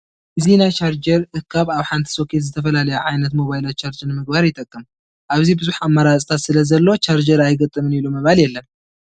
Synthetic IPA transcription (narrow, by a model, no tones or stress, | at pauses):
ʔɨzinat͡ʃʰaɾd͡ʒəɾʔɨkʰːaβawħant̪ʰɨ̥so̞kʰe̞t̪zət̪ʰəfəlaləjɛʕajnət̪mo̞βajɪlat͡ʃːaɾd͡ʒəɾməɡbaɾjɪt̪ʼːəkʼːɨm | ʔaβzihbɨzuħamːəɾasʼt̪ʰat̪sɨləzəlːo̞t͡ʃaɾd͡ʒəɾajɡət̪ʼːɨmɨnjɛləwməβaljɛlːəm